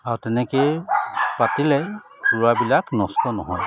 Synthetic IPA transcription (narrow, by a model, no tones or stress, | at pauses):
aɹutɛnɛke | patilɛ | puɹabilaknɔstɔnɔɦɔj